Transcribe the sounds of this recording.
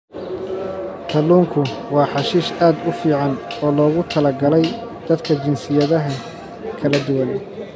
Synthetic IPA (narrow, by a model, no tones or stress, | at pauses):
t̪ʰɐluːŋkʰʊwɑːħɑʃiːʃaːd̪ʊfiːʕɑnɔːlɔːɣʊt̪ʰɐlɐɡɐlɛjd̪̥ɐd̪kʰɐt͡ʃɪnsɪjɐðɐɦɐ | kʰɐlɐd̪ʊwɐn